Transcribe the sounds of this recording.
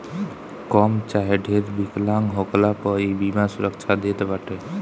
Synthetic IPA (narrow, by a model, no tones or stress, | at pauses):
kɔmt͡ʃaɦeɖʱeɾbiklaŋɡɦoklapəibimasuɾəkt͡ʃʰad̪et̪baʈe